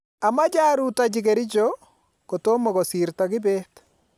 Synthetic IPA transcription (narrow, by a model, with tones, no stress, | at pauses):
a˨ma˦d͡ʒa˦ɾu˦ta˨d͡ʒɪke˨ɾɪ˦d͡ʒo˦ | ko˨to˦mo˨ko˨siɾtakɪ˦bɛ˦t